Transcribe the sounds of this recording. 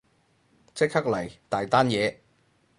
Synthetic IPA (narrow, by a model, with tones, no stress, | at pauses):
t͡sɪ˥k̚hɐ˥k̚lɐ˨˩jt̪aː˨jt̪aː˥njɛː˨˧